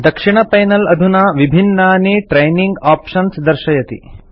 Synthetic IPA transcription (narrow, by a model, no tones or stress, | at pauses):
d̪ɐkʂiɳ̃ɐpɐjnɐlɐd̪ʱunaʋibʱinːaːneːʈɾejniŋɡaːpʃɐnsd̪ɐɾʃɐjɐt̪ḭ